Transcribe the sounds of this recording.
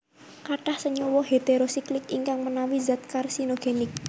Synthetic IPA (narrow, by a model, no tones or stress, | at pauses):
kaʈahsəɲɔwɔɦet̪eɾosiklɪkiŋkaŋmənawizat̪̚karsinoɡ̥enɪk̚